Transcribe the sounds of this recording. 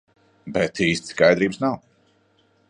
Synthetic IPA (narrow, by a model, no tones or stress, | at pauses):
bɛt̪ʰiːst̪skajd̪ɾiːbsnaw